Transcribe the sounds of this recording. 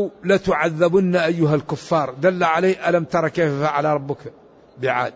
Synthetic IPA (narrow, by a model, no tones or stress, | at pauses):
wlæt̪ʊʕaðːæbʊnːaʔæjːʊɦælkʊfːɑɾˤd̪ælːaʕaleʔælæmt̪ɑɾˤɑkæffaʕalaɾˤɑbːək | bəʕa̰d̪̚